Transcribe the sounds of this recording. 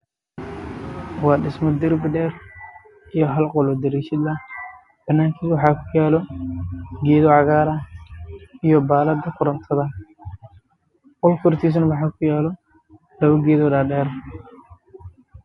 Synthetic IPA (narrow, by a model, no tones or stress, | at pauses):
wɑːɖɪsmɔd̪ɪrbɪɖɛːr | ijɔɦɐlqɔlɔd̪ɐɾiːʃɪd̪ɐ | b̥ɐnːaːŋkʰiːswɑħɑːkʰʊjaːlɔ | ɡɛːðɔʕɑɣaːɾɐ | ijɔbaːlɐd̪ɐkʰʊɾɐnt̪ʰɐðɐ | qɔlkʰɔrt̪ʰiːs̬nɐwɑħɑːkʰʊjaːlɔ | lɐβɐɡɛːðɔdaːɖɛːɾ